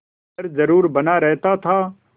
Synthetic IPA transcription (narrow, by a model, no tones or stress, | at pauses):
əɾzəɾuːɾbənaːɾɛɦt̪at̪ʰaː